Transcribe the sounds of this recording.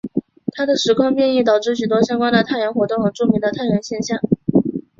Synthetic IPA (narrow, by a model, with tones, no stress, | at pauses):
t̪ʰa˥d̪ə˨ʂɻ̩˧˥kʰɑ˥ŋpjɛ˥˧ni˥˩t̪ɑ˨˩ʊʈ͡ʂɻ̩˥˩ɕy˨˩t̪wɔ˥ɕjɑ˥ŋkwa˥nd̪ə˨t̪ʰa˥˩ɪɻa˧˥nxwɔ˧˥t̪ʊ˥˩ŋxɤ˧˨˩ʈ͡ʂu˥˩mi˧˥ŋd̪ə˧t̪ʰa˥˩ɪɻə˧˥nɕjɛ˥˧nɕjɑ˥˩ŋ